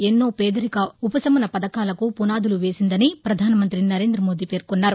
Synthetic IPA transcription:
enːoːpeːd̪ɐɾikɐupɐsɐmɐnɐpɐd̪ɐkaːlɐkupunaːd̪uluʋe̞ːsind̪ɐnipɾɐd̪ʱaːnɐmɐnt̪ɾinɐɾe̞ːnd̪ɾɐmo̞ːd̪iːpe̞ːɾkunːaːɾu

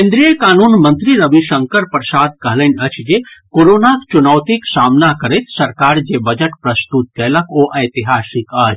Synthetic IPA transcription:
ẽnd̪ɾijəkaːnuːnmə̃nt̪ɾiɾəbiʃəŋkəɾpɾsaːd̪̚kəɦlənʲət͡ʃʰd͡ʒekoɾoːnakt͡ʃunəwt̪iksaːmnakəɾet̪sɐɾkaːɾd͡ʒebɐd͡ʒəʈpɾɐst̪ut̪̚kɛləkʰoʔɐjt̪iɦaːsika

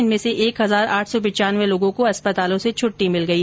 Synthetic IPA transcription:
ɪnmẽseʔeːkɦɐzaːɾaːʈʰsɔpɐ̃t͡ʃaːnʋeloːɡõkoɐspət̪aːlõset͡ʃʰʊʈːimɪlɡɐiː

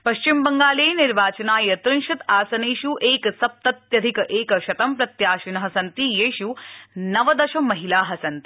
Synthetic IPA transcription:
pɐʃt͡ʃimbɐŋɡaːleːniɾʋaːt͡ʃɐnaːjɐt̪ɾunʃɐt̪aːsɐneːʃuʔeːkɐsɐp̚t̪ɐt̪jɐd̪ʱikɐʔeːkɐʃɐt̪ɐmpɾɐt̪jaːʃinɐɦɐsɐnt̪ijeːʃunɐʋɐd̪ɐʃɐmːɐɦilaːɦɐsɐnt̪i̥

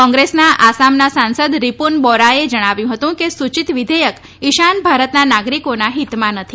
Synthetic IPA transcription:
ɔ̃ŋɡɾesnaʔasamnasãnsəd̪ɾipunbɔɾaed͡ʒəɽ̃aʋjũɦət̪ũkesut͡ʃit̪ʋid̪ʱəjək | ɪʃanbʱaɾət̪nanaɡɾikonaɦit̪mãnət̪ʰi

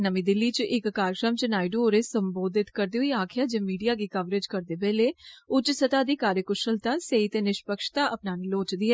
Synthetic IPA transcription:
nəmĩːd̪ɪlːiːt͡ʃʔɪkːaːɾjəkɾəmt͡ʃnaːɪɖuoːɾeːsəmboːd̪ɪt̪kəɾd̪eːɦʊiːaːkʰɪjaːd͡ʒeːmiːɖijaːɡiːkəʋɾeːd͡ʒkəɾd̪eːbɛːleːʊt͡ʃsət̪aːd̪iːkaːɾjəkʊʃəlt̪aːseit̪eːnɪʃpəkʃt̪aːʔəpnaːniːloːt͡ʃd̪iːɦɛː

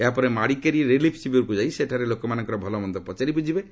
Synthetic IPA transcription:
eɦapɔɾemaɽikaɾieɾelipʰsibɔɾkud͡ʒajseʈʰaɾelokɔmanɔ̃ŋkɔɾɔbʱɔlɔmɔnd̪ɔpɔt͡ʃaɾipud͡ʒʱibe

